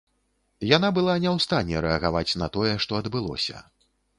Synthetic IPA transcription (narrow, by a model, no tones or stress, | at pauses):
jan̪abɨlˠanʲɛwst̪anʲːɛɾɛɐɣavat͡sʲnɐt̪ɔjɛʂt̪ɔɐd̪bɨlˠɔ̰sʲɐ̰